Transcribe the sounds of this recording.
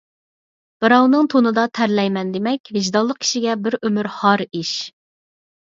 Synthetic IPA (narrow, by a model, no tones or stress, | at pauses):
b̥ɨɾɑwnɨŋt̪ʰonɨd̪ɑt̪ʰæɾlɛjmɛnd̪emɛkʲvɪʒd̪ɑlˠːəq̚kʰʲi̥ʃiɡʲɛbɪɾømyɾhɑɾiʃ